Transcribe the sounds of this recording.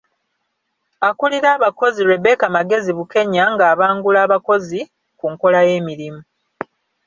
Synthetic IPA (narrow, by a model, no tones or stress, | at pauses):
akuliɾaːβako̞ziɾwe̞be̞ːkamaɡe̞ziβuke̞ɲaŋɡaːβaːŋɡulaːβako̞zi | kuŋko̞laje̞ːmiɾimu